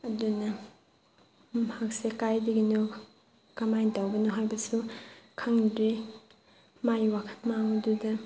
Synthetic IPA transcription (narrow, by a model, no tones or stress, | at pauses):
ɐdunɐ | mhak̚sekajdiɡinu | kɐmajtawbɐnuɦajbɐsukʰaŋdɾi | majwakʰanmaŋdudɐ